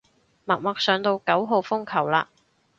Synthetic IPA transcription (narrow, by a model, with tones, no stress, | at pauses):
mɐ˨t̚mɐ˨k̚sœː˨˧ŋt̪o˧wkɐ˨˥wɦo˨˧wfʊ˥ŋkʰɐ˨˩wla̰ː˧